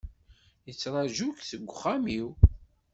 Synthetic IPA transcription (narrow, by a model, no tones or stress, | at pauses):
jət͡sːɾˤɑʒukθəɡʷːχːamiw